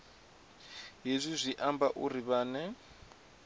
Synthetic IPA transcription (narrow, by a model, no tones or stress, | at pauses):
ɦezʷizʷiʔambaʔuriβaːnɛ